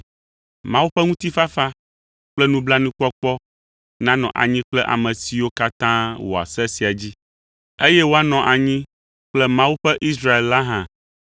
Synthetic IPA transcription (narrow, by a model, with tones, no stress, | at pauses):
mã˦wu˦ɸɛ˦ŋũ˦t̪i˦fa˦fa˦ | k͡plɛ˦nũ˦bla˦nũ˦k͡pɔ˦k͡pɔ˦ | nã˦nɔ̰̃˨ʔa̰˨ɲĩ˦k͡plɛ˦ʔa̰˨mɛ̃˨si˨wo˦ka˦t̪ã˦wo̰˨a̰˨sɛ˦si˨a˨d͡ʑi˦ | e˦jɛ˦wo˦a˦nɔ̃˨ʔa˨ɲĩ˦ | k͡plɛ˦mã˦wu˦ɸɛ˦ʔi˦sɾa˦e˨lla˦ɦã˦